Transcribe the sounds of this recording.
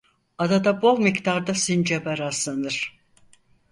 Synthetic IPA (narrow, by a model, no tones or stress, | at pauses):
ad̪ad̪abo̞lˠmikt̪ʰaɾd̪asind͡ʒebaɾazanɯɾ̥